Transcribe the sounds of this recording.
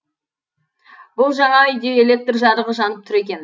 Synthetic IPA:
bʊlˠʒɑɴɑʏjd̪eelʲe̞k̚t̪rʒɑd̪əʁəʒɑnəp̚t̪ʰʏɾe̞kʲe̞n

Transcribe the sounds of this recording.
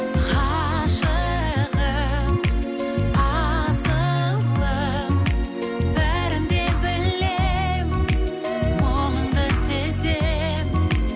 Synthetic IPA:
qʰɑ | ʃə | ʁə | ɑzəlˠːə | bæɾɪnd̪e̞bɪlːep | woʁəɴd̪əseze | p

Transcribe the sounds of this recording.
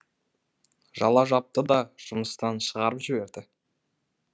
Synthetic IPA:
ʒɑ̰lˠɑʒɑp̚t̪əd̪ɑʒ̥ʊməst̪ɑnʃəʁɑɾəpʒɪbe̞ɾd̪ɪ

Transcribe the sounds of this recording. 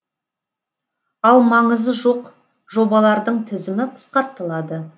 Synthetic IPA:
ɑlˠmɑɴəzəʒo̞q | ʒo̞bɑlˠɑɾd̪əɴt̪ʰɪzɪmɪqʰə̥sqɑɾt̪ːəlˠɑd̪ə

